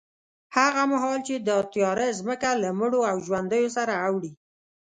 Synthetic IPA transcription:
haɣamaɦɑlt͡ʃed̪ət̪jɑɾəzməkalaməɽoawʒwand̪əjosaɾaːwɽi

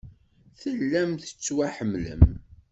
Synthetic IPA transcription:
θəlːæmθə̥t͡sːwaħəmːlə̰m

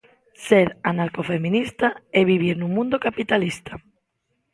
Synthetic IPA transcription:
seɾanaɾkofemĩnist̪aeβiβ̞iɾnũmũnd̪okapit̪alist̪a

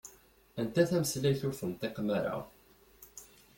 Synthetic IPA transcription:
ænt̪æθæməslæjθufənt̪eqmæɾa̰

